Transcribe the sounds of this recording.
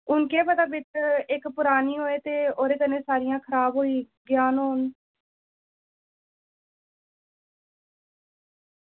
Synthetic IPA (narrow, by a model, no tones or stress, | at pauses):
ʊnkeːpət̪aːbɪt͡ʃɪkpʊɾaːniːɦoːeːt̪eːoːɾeːkənẽːsaːɾɪjãːkʰəɾaːbɦoːiː | ɡjaːnɦoːn